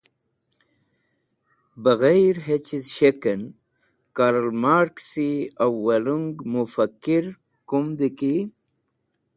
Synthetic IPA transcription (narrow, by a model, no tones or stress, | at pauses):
bəɣajɾɦet͡ɕizʃekən | kaɾəlmaːɾksiawːɐluŋɡmufakːiɾ | kumd̪iki